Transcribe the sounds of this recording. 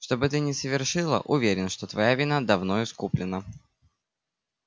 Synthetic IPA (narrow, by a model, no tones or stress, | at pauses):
ʂt̪o̞bɨt̪ɨnʲɪsəvʲɪrʂɨlˠə̰ʔʊvʲeɾʲɪnʂt̪ot̪vɐjavʲɪnad̪ɐvno̞ɪskuplʲɪnə